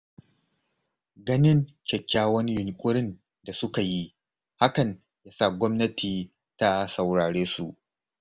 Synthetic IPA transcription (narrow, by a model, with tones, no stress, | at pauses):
ɡɐ˦nɪ˦ŋkʲɐ˨kʲːaː˦wɐ˦ni˦jʊ˨ŋkʷʼʊ˦ɾɪ˦n | da˨sʊ˦ka˨ji˦ | ha˦kɐ˨ɲ | jaː˦sa˦˨ɡʷɔ˦mnɐ˦tʰiː˨ | ta˦sa˨wɽaː˨ɽeː˦su˨ʔ